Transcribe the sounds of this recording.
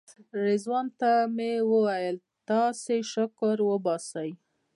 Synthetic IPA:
ɾezwɑnt̪amewəwajəl | t̪ɑseʃʊkɾwəbɑsəj

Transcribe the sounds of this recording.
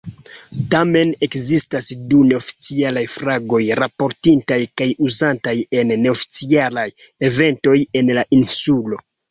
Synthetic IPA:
tame̞ne̞kzistasdune̞ofi̥t͡sialajfɾaɡo̞jɾapo̞ɾtintajkajuzantaje̞nːe̞ofi̥t͡sialaj | e̞ve̞nto̞je̞nlaʔinsulo̞

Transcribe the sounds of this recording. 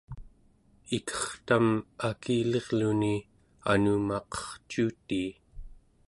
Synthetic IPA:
ikʰʌ̥χt̪amakʰiːle̞ʁluni | anuːmɑqʌ̥χt͡ʃuːt̪iː

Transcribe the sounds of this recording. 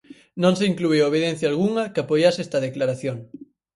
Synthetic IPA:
nõŋseiŋklueoβ̞eðẽn̟θjaːlɣuŋɐkɪapojasɛst̪ɐðeklaɾaθjoŋ

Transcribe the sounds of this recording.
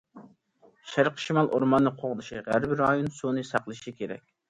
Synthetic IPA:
ʃæɾqʰə̥ʃimɑlˠʔoɾmɑnːɨqʰoʁd̪ɨʃiʁæɾbɾɑjonsonɨsɑqlˠɨʃikʲʰeɾɛ̰kʲ

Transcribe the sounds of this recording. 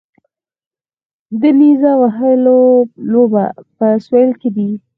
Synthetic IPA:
d̪əmizawaɦəloloba̰pəswelked̪i

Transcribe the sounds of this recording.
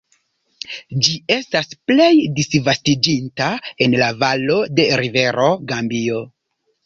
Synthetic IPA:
d͡ʒie̞stasple̞jdisvastid͡ʒintae̞nlavalo̞de̞ɾive̞ɾo̞ɡambio̞

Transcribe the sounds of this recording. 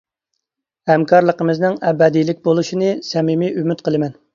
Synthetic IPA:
hɛmkʰɑɾlˠəqəmɨznɪŋɛbɛd̪ijlɪk̚ʲbolˠuʃinɨsɛmimiymyt̪̚qəlˠɨmɛn

